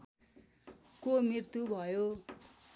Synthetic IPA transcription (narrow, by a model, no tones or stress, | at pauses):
komirt̪ubʱʌjo